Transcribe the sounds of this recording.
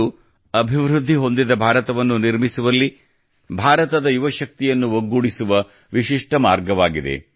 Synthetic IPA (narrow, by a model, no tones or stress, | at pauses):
u | ɐbʱiʋɾud̪ʱːiɦo̞nd̪id̪ɐbʱaːɾɐt̪ɐʋɐnːuniɾmisuʋɐlːi | bʱaːɾɐt̪ɐd̪ɐjuʋɐʃɐk̚t̪ijɐnːuʋoɡːuɽisuʋɐ | ʋiʃiʂʈɐmaːɾɡɐʋaːɡid̪e̞̰